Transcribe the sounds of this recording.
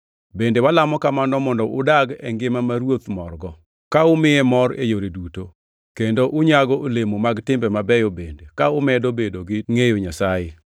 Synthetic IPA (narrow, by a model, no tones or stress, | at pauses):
bendewalamɔkamandɔmɔndɔʔʊdaɡɛŋɡɪmamaɾwot̪mɔrɡɔ | kaʊmɪɛmɔɾḛjoɾeduto | kendoʔʊɲaɡɔʔolemomaɡtɪmbɛmabɛjobendekaʊmɛdobedoɡɪŋejoɲasaje